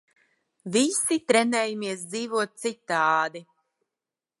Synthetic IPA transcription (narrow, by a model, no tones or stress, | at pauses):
visit̪ɾɛnɛːjamiɛs̬d̪ziːvuɔt̪̚t̪sit̪ːaːd̪i